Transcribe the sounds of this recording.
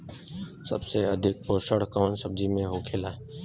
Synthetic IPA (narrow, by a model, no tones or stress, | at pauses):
sə̰bseɐd̪ʱɪk̚poːʃəɽkɔːnsəb̚d͡ʒimẽɦokʰeːlaːɦɛ